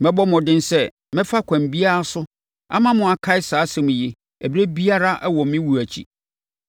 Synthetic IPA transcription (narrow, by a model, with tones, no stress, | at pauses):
mɛ̃˦bɔ˦mɔ̃˨dɪ̃˦n˦sɛ˦˨ | mɪ̃˦fa˦kʷʰã˨mbi˦a˦ɾa˦sʊ˦ | a̰˦mã˦mʊ̃˨a˨kʰa˦ɪ˦saː˨˦sɛ̃˨mʊ̃˨je˨ | æ˨be˦bi˦a˦ɾa˦ʔɛ˦wɔ˨mɪ̃˦wu˨æ˨t͡ɕʰḭ˨